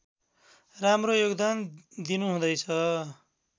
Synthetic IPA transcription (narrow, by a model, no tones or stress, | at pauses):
ramrojoɡd̪and̪inuɦũd̪ʌjt͡sʰʌ